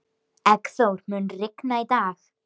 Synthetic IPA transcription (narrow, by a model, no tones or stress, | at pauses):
ɛkθɔwrmɛnrɪknajdaːx